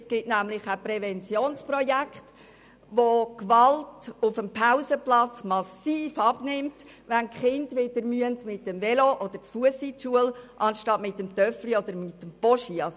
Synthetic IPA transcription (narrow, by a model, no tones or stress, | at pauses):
sɡ̥ɪtnæmlɪχæprɛvɛnt͡sjoːnsprɔjækχt | ʋokʋɑltʊfəmpʰaʊsəplɑt͡smɑsiːfɑbnɪmt | ʋænkχɪndʋɪdəɾmyəntmɪtːɛmvɛloʔɔd̥̪əɾt͡sfuəsitʃuəlʔɑnʃtɑtmɪtəmt̪œfliɔd̪əɾmɪtːəmpɔʃiɑs